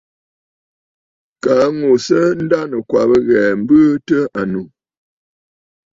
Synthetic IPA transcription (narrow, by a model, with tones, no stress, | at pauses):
ka˨˦ŋo˨sə˦n̩˦da˦nə˨kwa˨bə˦ɣɛ˨m̩˦bə˦tə˦a˨nu˨